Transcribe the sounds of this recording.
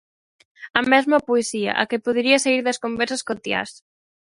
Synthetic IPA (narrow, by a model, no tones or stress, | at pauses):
ɐmɛzmɐpoesiɐ̰ʔɐ̰kepoðeɾiɐsaiɾðɐskombɛɾsɐskot̪ja̰s